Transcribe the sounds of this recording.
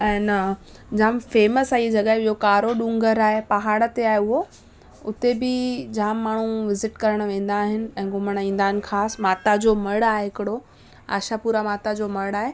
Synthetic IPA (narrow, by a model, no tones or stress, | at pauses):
ɛ̃ːn | d͡ʑaaːmfeːməsaːied͡ʑɐɡaɦeɓiɦokaːɾoɗũŋɡəɾaːɦepɐɦaːɽət̪eaːɦeʊɦo | ʊt̪ebɪd͡ʑaãːmːaːɳ̤uʋɪzɪʈkɐɾəɽ̃̆ʋẽːn̆d̪aːɦɪnɪ̆ɛ̃ːɡʊməɽ̃ĩːn̆d̪aːɦɪn̆xʰaːsmaːt̪ad͡ʑoːmɐɽaːɦeɦɪkɪɽo | a̰ːʃapuːɾamaːt̪ad͡ʑoːmɐɽaːɦe